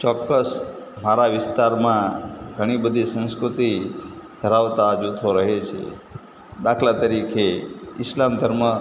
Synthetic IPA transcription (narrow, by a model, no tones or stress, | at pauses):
t͡ʃɔkːəs | maɾaʋɪst̪aɾmãɡʱəɽ̃ibəd̪ʱisə̃nskɾut̪id̪̥ʱəɾaʋt̪ad͡ʒut̪ʰoɾəɦet͡ʃʰḛ | d̪akʰlat̪əɾikʰeɪslamd̪ʱəɾmə